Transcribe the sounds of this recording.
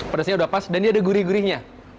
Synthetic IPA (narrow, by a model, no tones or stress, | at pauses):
pardasɲaudapasdandiadaɡuɾiɡuɾɪɲa